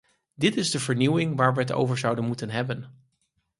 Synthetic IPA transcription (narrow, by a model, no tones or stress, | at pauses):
dɪtɪzdəvəɹniwɪŋʋaːɹʋəɦəto̰wvəɹzʌwdənmutənɦɛbən